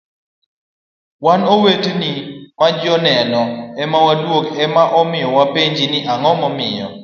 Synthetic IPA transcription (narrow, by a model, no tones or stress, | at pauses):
wanɔwetnimad͡ʒɔnɛnɔɛmawadwokɛmaʔɔmɪjɔwapeɲd͡ʒiniʔaŋɔmɔmɪjɔ̰